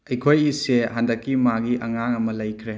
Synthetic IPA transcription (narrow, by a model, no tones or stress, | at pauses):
ɐjkʰojiseɦandɐkːimaɡiʔɐŋaŋɐmɐlɐjkʰɾe